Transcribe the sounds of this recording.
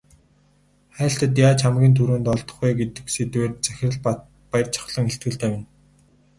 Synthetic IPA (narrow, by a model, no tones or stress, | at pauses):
χæ̆ːɬt̪ə̆t̪̬jaːt͡ɕʰamɡʲiːnt̪ʰuɾoːnt̪ɔɮt̪ɞ̥̆χujɡet̪ɘ̆ksit̪weːrt͡sæxʲɪ̆r̆ɮ | pajə̆rt͡ɕʰɔ̥̆χɮə̆ŋeɬt̪̚ɡɘ̆ɮt̪æːwɪ̆n